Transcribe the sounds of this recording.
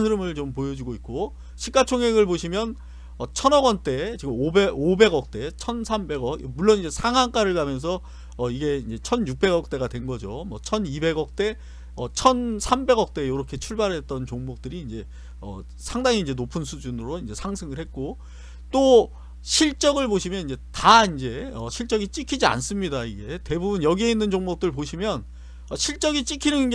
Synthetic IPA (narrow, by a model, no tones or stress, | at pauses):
nʰɯɾɯmɯɭt͡ɕompojʌd͡ʑiɡoit̚k͈o | ɕʰik͈at͡ɕʰoŋɦeɡɯɭpoɕʰimjʌn | ʌt͡ɕʰʌnʌɡʌnt͈e̞t͡ɕiɡɯmobeobe̞ɡʌk̚t͈e̞t͡ɕʰʌnsʰambe̞ɡʌkmuɭːonind͡ʑe̞sʰaŋaŋk͈aɾɯɭkamjʌns̬ʰʌː | iɡe̞ind͡ʑe̞t͡ɕʰʌnjuk̚p͈e̞ɡʌk̚t͈e̞ɡadwe̞nɡʌd͡ʑomwʌt͡ɕʰʌnibe̞ɡʌk̚t͈e̞ | ʌt͡ɕʰʌnsʰambe̞ɡʌk̚t͈e̞joɾʌkʰe̞t͡ɕʰuɭbaɾɦe̞t͈̚ʌnt͡ɕoŋmʌk̚t͈ɯɾiːnd͡ʑe̞ | ʌ̰ | sʰaŋdaŋiːnd͡ʑe̞nopʰɯnsʰud͡ʑunɯɾoind͡ʑe̞sʰaŋsʰɯŋɯɭhet̚k͈o | t͈o | ɕʰiɭt͡ɕ͈ʌɡɯɭboɕʰimjʌnind͡ʑe̞taind͡ʑe̞ʌɕʰiɭt͡ɕ͈ʌɡit͡ɕ͈ikʰid͡ʑia̰ns͈ɯmɲidaiɡe̞te̞bubunjʌɡie̞inːɯnd͡ʑoŋmʌk̚t͈ɯɭpoɕʰimjʌn | ʌɕʰiɭt͡ɕ͈ʌɡit͡ɕ͈ikʰinɯnɡ